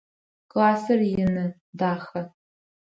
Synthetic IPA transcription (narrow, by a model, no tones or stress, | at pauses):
kʼlaːsɐrjɪnɨ | daːχɐ